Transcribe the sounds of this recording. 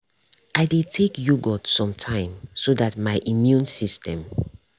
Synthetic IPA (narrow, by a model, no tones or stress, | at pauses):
ʔaɪdetʰekjuɡɔtsɔ̃mtʰãɪ̃msodatmaɪʔimjũnsistɛ̃m